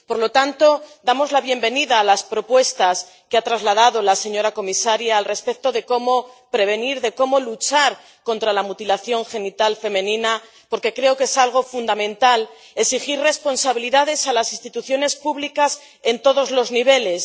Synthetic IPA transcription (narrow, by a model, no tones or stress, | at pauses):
po̞ɾlo̞t̪ant̪o̞d̪amo̞zlaβje̞mbe̞niðaːlaspɾo̞pwe̞st̪as | keat̪ɾazlað̞aðo̞lase̞ɲo̞ɾako̞misaɾjaːlre̞spe̞k̚t̪o̞ðe̞ko̞mo̞pɾe̞β̞e̞niɾðe̞ko̞mo̞lut͡ʃaɾ | ko̞nt̪ɾalamut̪ilaθjo̞ŋxe̞nit̪alfe̞mẽ̞nĩna | po̞ɾke̞kɾe̞okesalɣ̞o̞fund̪amẽ̞nt̪al | e̞ksixirre̞spo̞nsaβ̞iliðaðe̞salasinst̪it̪uθjo̞ne̞spuβlikas | e̞nt̪o̞ðo̞zlo̞zniβ̞e̞le̞s